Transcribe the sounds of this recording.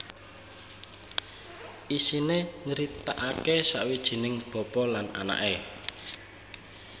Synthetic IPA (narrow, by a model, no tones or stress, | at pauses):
ʔisineŋəɾit̪aʔakesa̰ʔwid̥ʒ̥i̤nɪŋb̥ɔ̤pɔlana̰na̰ʔe